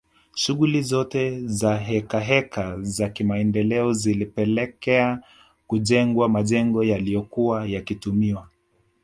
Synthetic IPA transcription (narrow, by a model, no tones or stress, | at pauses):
ʃuɣulizɔtɛzaɦɛkaɦɛkazakimaɛndɛlɛɔzilipɛlɛkɛa | kuʄɛŋɡwamaʄɛŋɡɔjalijɔkuajakitumiwa